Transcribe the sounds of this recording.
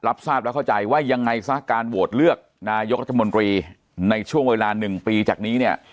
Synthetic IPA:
la˦˥p̚saː˥˩p̚lɛ˦˥kʰa˥˩t͡ɕa˧jwaː˥˩ja˧ŋːa˧jsa˦˥kaː˧nwo˨˩t̪̚lɯ˥˩ək̚naː˧jo˦˥k̚ɾa˦˥t̪ʰːo˧nt̪ɾiː˧ | na˧jt͡ɕʰu˥˩əŋweː˧laː˧nɯ˨˩ŋpiː˧t͡ɕa̰ː˨˩k̚niː˦˥ni˥˩ə

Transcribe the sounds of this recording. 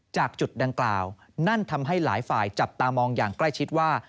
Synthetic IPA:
t͡ɕaː˨˩k̚t͡ɕu˨˩t̪̚da˧ŋklaː˨˩w | na˥˩nt̪ʰa˧mɦa˥˩jlaː˩˦jfaː˨˩jt͡ɕa˨˩p̚t̪aː˧mɔː˧ŋjaː˨˩ŋkla˥˩jt͡ɕʰi˦˥t̪̚waː˥˩

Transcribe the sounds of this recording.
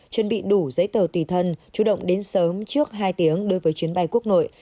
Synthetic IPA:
t͡ɕə˧˩nɓḭ˧˨ɗu˧˩zə̰˧˥jt̪əː˨˩t̪i˨˩t̪ʰə˧nt͡ɕu˧˩ɗə̰˧˨wŋ͡mɗe˨˦nsəː˨˦mt͡ɕɨ˦˥ək̚ɦaː˧jt̪i˨˦əŋɗɨ˧jvəː˨˦jt͡ɕwi˨˦ənɓa˧jku˦˥ək̚no̰˧˨j

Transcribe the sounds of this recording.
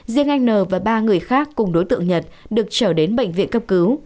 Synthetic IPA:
zi˧əŋʔa˧jŋ̟nəː˨˩vaː˨˩ɓaː˧ŋɨ˨˩əjxaː˦˥kːʊ˨˩ŋ͡mɗo˨˦jt̪ɨ̰˧˨əŋɲə˨˩t̚ | ɗɨ˨˩ək̚t͡ɕəː˧˩ɗe˨˦nɓə̰˧˨jŋ̟vḭ˧˨nkə˧p̚kɨ˨˦w

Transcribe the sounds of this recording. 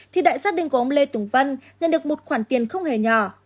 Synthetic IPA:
t̪ʰi˨˩ɗa̰ː˧˨jsaː˦˥t̚ɗï˧˨ŋ̟kə˧mle˧t̪ʊ˨˧˩ŋ͡mvə˧nɲə̰˧˨nɗɨ˨˩ək̚mo˨˩t̚xwaː˧˩nt̪i˨˩ənxə˧wŋ͡mhe˧˩ɲɔ˧˩

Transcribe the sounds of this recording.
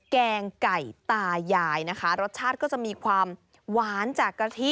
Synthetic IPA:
kɛː˧ŋka˨˩jt̪aː˧jːaː˧jna˦˥kʰa˦˥ɾo˦˥t̪̚t͡ɕʰaː˥˩t̪̚kɔː˥˩t͡ɕa˨˩ʔmiː˧kʰwaː˧m | waː˩˦nt͡ɕaː˨˩kːɾa˧t̪ʰi˦˥˩

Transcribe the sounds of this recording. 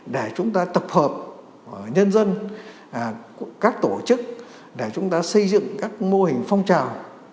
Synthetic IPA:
ɗe˧˩t͡ɕʊ˨˦ŋ͡mt̪aː˧t̪ə˨˩p̚həː˨˩p̚ | ɲə˧nzə˧n˩ | kaː˦˥k̚t̪o˧˩t͡ɕɨ˦˥k̚ | ɗe˧˩t͡ɕʊ˨˦ŋ͡mt̪aː˧sə˧jzɨ̰˧˨ŋkaː˦˥k̚mo˧ɦï˨˩ŋ̟fɔ˧wŋ͡mt͡ɕaː˨˩w

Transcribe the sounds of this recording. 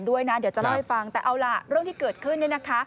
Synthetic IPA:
ndu˥˩əjna˦˥di˩˦wt͡ɕa˨la˦˥˩ha˧˩jfa˧ŋt̪ɛː˨˩ʔa˧wlaː˧˩ɾɯ˥˩əŋt̪ʰiː˥kɤː˨˩t̪̚kʰɯ˥˩nː˥˩na˦˥kʰa˦˥

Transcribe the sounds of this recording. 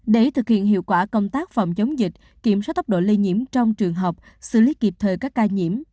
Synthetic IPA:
ɗe˨˧˩t̪ʰɨ˨˩k̚hḭ˧˨ənhḭ˧˨wkwaː˧˩kə˧wŋ͡mt̪aː˦˥k̚fɔ̰˧˨wŋ͡mt͡ɕə˨˦wŋ͡mzï˨˩k̚ | ki˧˩əmst̚t̪ə˥k͡p̚ɗo̰˧˨li˧ɲḭ˧˥əmt͡ɕɔ˧wŋ͡mt͡ɕɨ˨˩əŋɦə˨˩wk͡p̚ | sɨ̰˧˥li˨˦ki˨˩p̚t̪ʰəː˨˩jkaː˦˥k̚ːaː˧ɲḭ˧˩˥əm

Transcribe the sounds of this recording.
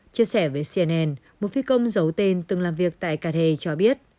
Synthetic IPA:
t͡ɕi˧əsɛ˧˩vəː˨˦jsi˧ɛ˧nʔɛ˧n | mo˨˩t̚fi˨˦kə˧wŋ͡mzə˨˦wt̪e˧nt̪ɨ˨˩ŋlaː˨˩mvi˨˩ək̚t̪a̰ː˧˨jkaː˧t̪ʰe˧t͡ɕɔ˧ɓi˦˥ət̚

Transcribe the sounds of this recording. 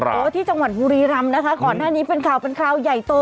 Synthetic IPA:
ʔoː˦t̪ʰiː˥˩t͡ɕa˧ŋwa˨˩t̪̚buː˧ɾiː˧ɾa˧mna˦˥kʰa˦˥kɔː˨˩nːaː˥˩niː˦˥pe˧nkʰa˨˩wpe˧nkʰɾaː˧wja˨˩jt̪oː˧

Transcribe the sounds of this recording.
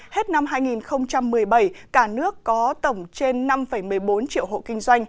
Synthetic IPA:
he˦˥t̚na˧mɦaː˧jŋi˨˩nxə˧wŋ͡mt͡ɕa˧mːɨ˨˩əjɓə˧˩jkaː˧˩nɨ˦˥əkːɔ˨˦t̪ə˧˩wŋ͡mt͡ɕe˧nːa˧mfə˧˩jmɨ˨˩əjɓo˨˦nt͡ɕḭ˧˨əwɦo̰˧˨kï˧ŋ̟zwa˧jŋ̟

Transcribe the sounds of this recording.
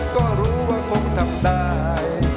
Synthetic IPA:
kɔː˧˥˩ɾuː˦˥waː˧˩kʰo˧ŋt̪ʰa˨˩mɗ̪aː˧ | j

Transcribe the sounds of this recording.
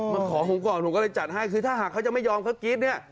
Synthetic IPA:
ma˧nkʰɔː˩˦ɦo˧˦ŋkʰːlo˧˦kɔː˥˩lɤ˧jt͡ɕa˨˩t̪̚ha˥˩jkʰɯː˧aː˥˩ɦaː˨˩kʰa˦˥wt͡ɕa˨˩ma˥˩jɔː˧mkʰa˦˥wki˦˥t̪̚ni˥˩ɐ

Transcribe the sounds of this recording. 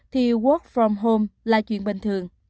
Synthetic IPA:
t̪ʰi˨˩ɣu˦˥k̚fɹɔ˨˩mɦo˧mlaː˨˩t͡ɕwḭ˧˨ənɓi˨˩ŋt̪ʰɨ˨˩əŋ

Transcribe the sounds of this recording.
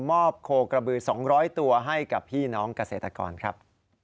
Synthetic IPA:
mɔː˥˩p̚kʰoː˧kɾa˧bɯː˨˧˩sɔː˩˦ŋɾɔː˦˥jt̪u˧ɐɦa˥˩jka˨˩p̚ʰiː˥˩nɔː˦˥ŋka˧seː˨˩t̪ɾa˧kɔ̰ː˧nkʰɾa̰˦˥p̚

